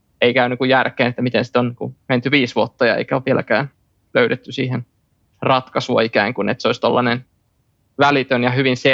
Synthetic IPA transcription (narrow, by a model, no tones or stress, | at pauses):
eikæynːykujærkeːnet̪ːæmit̪ensi̥t̪onniŋkument̪yʋiːsʋuot̪ːɑjɑḛikæoʋʋielæ̰kæːn | løyɾet̪ːysiːhen | rɑt̪kɑsuɑikæːŋkunḛt̪seoist̪olːɑnen | ʋælit̪ønjɑhyʋinse